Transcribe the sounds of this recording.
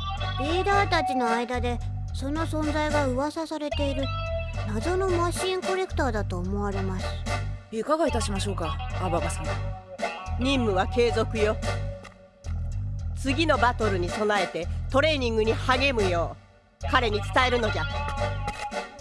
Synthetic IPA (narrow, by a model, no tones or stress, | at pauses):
ɾʲiːd̪aːt̪at͡ɕino̞aid̪ad̪e̞ | so̞no̞sõ̞nd͡zaiɡaɯ̟βasasaɾe̞t̪e̞iɾɯ̟nazo̞no̞maɕĩŋko̞ɾe̞kɯ̟̥t̪aːd̪at̪o̞ːmo̞βaɾe̞masɨ̥ikaɡait̪aɕimaɕ̬o̞ːkaababasã | ɲʲĩmːɯ̟βake̞ːzo̞kɯ̟jo̞ | t͡sɨɡʲino̞bat̪o̞ɾɯ̟ɲ̟iso̞nae̞t̪e̞t̪o̞ɾe̞ːɲ̟ĩŋɡɯ̟ɲ̟ihaɡe̞mɯ̟jo̞ː | kaɾe̞ɲ̟it͡sɨ̥t̪ae̞ɾɯ̟no̞ɡʲa